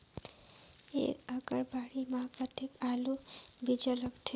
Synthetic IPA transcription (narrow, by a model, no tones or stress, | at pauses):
ḛkəkəɾbaɽimaɦpət̪ekalubid͡ʒələkt̪ʰe